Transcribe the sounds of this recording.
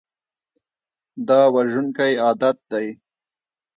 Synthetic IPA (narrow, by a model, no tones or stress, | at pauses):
d̪ɑːwaʒʊnkajɑːd̪at̪̚d̪aj